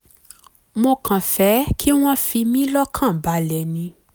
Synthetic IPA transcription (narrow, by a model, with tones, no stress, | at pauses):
mo˧kʰã˨fɛ˨˦kʰi˦w̃ɔ̃˦fi˧mĩ˦lɔ˦kʰã˦˨ba˨˦lɛ˨nĩ˧